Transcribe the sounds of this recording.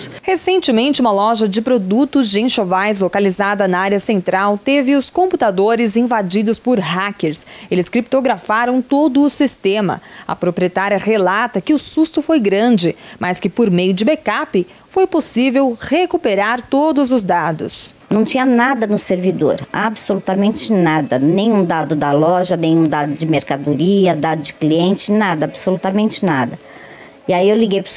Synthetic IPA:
hesẽnt͡ʃɪmẽnt͡ʃɪũmɐlɔʒɐd͡ʒɪpɾod̪ut̪ʊzd͡ʒɪẽʃovajzlokalizad̪ɐnɐaɾjɐsẽnt̪ɾawt̪evɪʊskõmput̪ad̪oɾɪzĩvad͡ʒid̪ʊspʊɾɦakeɾselɪskɾip̚t̪oɡɾafaɾɐ̃w̃t̪od̪ʊːsist̪ẽmɐ̰ɐ̰pɾopɾiet̪aɾjɐʁelat̪ɐkɪʊsust̪ʊfojɡɾɐ̃d͡ʒɪmʔɐskɪpoɾmejʊd͡ʒɪbekapɪ | fojposivewhekupeɾaɾt̪od̪ʊzʊzd̪ad̪ʊ̰snɐ̃w̃t͡ʃĩɲɐnad̪ɐnʊseɾvid̪o̰ɾabsolut̪ɐmẽnt͡ʃɪnad̪ɐnẽj̃ũd̪ad̪ʊd̪ɐlɔʒɐnẽj̃ũd̪ad̪ʊd͡ʒɪmeɾkad̪uɾiɐd̪ad̪ʊd͡ʒɪ̥kliẽnt͡ʃɪnad̪ɐabsolut̪ɐmẽnt͡ʃɪnad̪ɐ | iaiewliɡejpɾ

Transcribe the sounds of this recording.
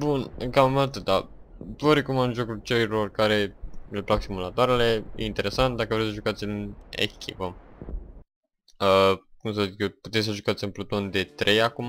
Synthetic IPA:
bunɨŋkamumalt̪əd̪a | vəɾekumaʒokult͡ʃeilo̞rkaɾe̞leplaksimulat̪oaɾele̞jḛint̪e̞ɾe̞sant̪̚d̪akəvɾejsəʒukat̪sʲɨnḛkʲʰipə | əkums̬əzikeput̪esʲsəʒukat̪sɨnplot̪o̞nd̪e̞t̪ɾʔe̞jakuma

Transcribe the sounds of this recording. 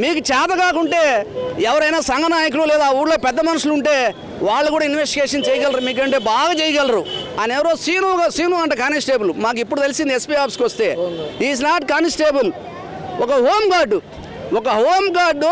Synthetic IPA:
miːk̬ut͡ʃaːt̪ɐkaːkuɳʈe̞ːɛʋɐɾɐjnaːsɐŋɡɐnaːjɐk̬ululɛːd̪aːuːɽloːpɛd̪ːɐmɐnɐʂuluɳʈe̞ː | ʋaːɭːɐkuːɽaːinʋesʈiɡeːʂɐnt͡ʃɛːjɐɡɐlɾɐɾumiːk̬ɐɳʈe̞ːbaːɡaːt͡ʃɛːjɐɡɐlɐɾuɐnɛʋɐɾoːsiːnuːɡɐsiːnuɐɳʈɐkaːnisʈeːbɐlumaːk̬ipːuɽut̪elisind̪iespiːaːpskiʋɐst̪e̞̰ːiːs̬naːʈkaːnsʈeːbul | ɔkɐɦoːmɡaːɾɖu | ɔkɐɦoːmɡaːɖ

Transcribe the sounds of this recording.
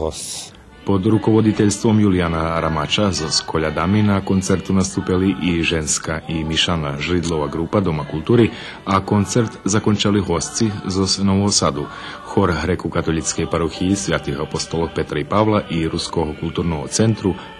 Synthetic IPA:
po̞d̪ɾuko̞ʋod̪it̪eʎst̪ʋo̞mjulianaɾamat͡ʃazoskʰo̞ʎad̪aminako̞nt̪se̞ɾt̪unast̪upiliʔiʒenskaʔimiʃanaʒɾid̪lˠo̞ʋaɡɾuːpad̪o̞makulˠt̪uːɾi | ako̞nt̪se̞ɾt̪zakont͡ʃaliɦo̞st̪sizosenoʋosad̪u | xo̞ɾɦɾekukat̪olˠit̪skojpaɾoxiisjaːt̪ihapost̪olˠope̞t̪ɾaipaʋlˠaʔiɾuskokulˠt̪uːɾnoɡt̪se̞nt̪ɾu

